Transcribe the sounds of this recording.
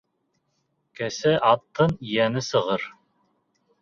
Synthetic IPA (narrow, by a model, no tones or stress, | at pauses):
kæsæʔɑt̪ːɤnijænɘsɤ̆ʁɤɾ